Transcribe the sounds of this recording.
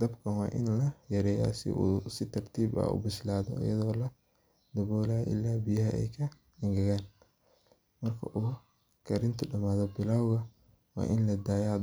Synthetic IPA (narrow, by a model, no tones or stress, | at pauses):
d̪̥ɐbkʰɐnwɑ̰ːʔɪ̰nlɐjɐɾɛːja̰sɪ̰ʔṵːsɪt̪ʰɐrt̪ʰiːbɐ̰ṵbɪslaːðɔ̰ʔɐ̰jɐ̰ðɔːlɐ | d̪̥ɐβɔːlaːʔɪ̰lːaːbɪjɐɦɐʔɛ̰jkʰɐ | ɪŋɡɐɣaːn | mɐrkʰɐ̰ʔʊ | kʰɐɾɪnt̪ʰʊɖɐmaːðɔbɪlaːwɣɐ | wɑ̰ːʔɪnlɐd̪aːja